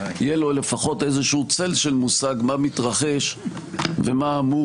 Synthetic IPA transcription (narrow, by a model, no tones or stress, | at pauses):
jelo̞le̞faχo̞te̞zeʃuut͡selʃe̞lmusaɡmamit̪ʁaχe̞ʃ | vemaːmu